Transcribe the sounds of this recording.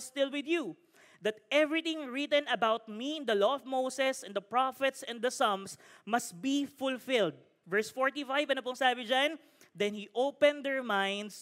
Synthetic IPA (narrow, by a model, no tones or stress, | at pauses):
st̪ɪlwɪd̪ju | d̪ɐt̪̚ɛvɹɪt̪ɪ̃ŋɹit̪ɛ̃nɐbawt̪̚miɪ̃nd̪ɐlɔɔvmowsɛsɛ̃nd̪ɐpɹafɛt̪sɛ̃nd̪ɐsʌ̃msmɐst̪̚bifʊlfɪld̪̚ | vɛɹsfɔɹt̪ifajvɐnopʊŋsaːbɪd͡ʒãn | d̪ɛ̃nhiʔoʊpɛ̃nd̪ɛɹmãjnd̪s